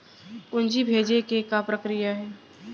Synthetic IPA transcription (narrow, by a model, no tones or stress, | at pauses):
ʊnd͡ʒibʱeːd͡ʒekekapɾəkɾijaɦɛː